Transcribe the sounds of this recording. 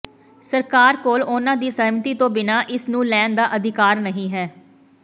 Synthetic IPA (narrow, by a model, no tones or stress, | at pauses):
səɾkaːɾkoːlʊnãːd̪iːsəɦmt̪iːt̪õːbɪnaːʔɪsnũːlɛːnd̪aːʔəd̪ʱɪkaːɾnəɦĩːɦɛː